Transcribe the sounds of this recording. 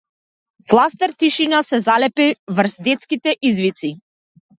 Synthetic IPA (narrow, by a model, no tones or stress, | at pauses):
flˠast̪ɛɾt̪iʃinasɛzalɛpivər̩sd̪ɛt̪skit̪ɛʔizvit̪si